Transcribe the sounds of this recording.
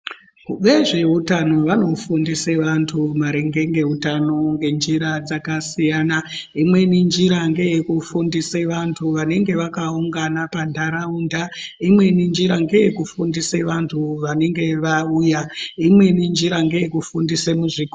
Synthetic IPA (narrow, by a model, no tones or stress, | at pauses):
kuɓe̞ʐe̞utano̞ʋano̞fundiseʋantʰumaɾe̞ŋɡe̞ŋɡe̞utano̞ŋɡe̞nd͡ʒiɾad͡zakasijanaimwe̞nind͡ʒiɾaŋɡe̞jekufundiseʋantʰuʋane̞ŋɡe̞ʋakauŋɡanapandʱaɾaundaimwe̞nind͡ʒiɾaŋɡe̞jekufundiseʋantʰuʋane̞ŋɡe̞ʋauːjaimwe̞nind͡ʒiɾaŋɡe̞jekufundisemuʐiko